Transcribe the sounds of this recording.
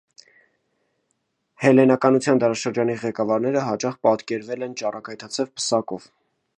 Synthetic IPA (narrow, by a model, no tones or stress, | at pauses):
hɛlɛnɑkɑnut͡sʰjɑnd̪ɑɾɑʃəɾd͡ʒɑniʁɛkɑvɑɾnɛɾəɦɑt͡ʃɑχpɑt̪kɛɾvɛlɛnt͡ʃɑrɑkɑjt̪ʰɑt͡sʰɛvpə̥sɑkɔv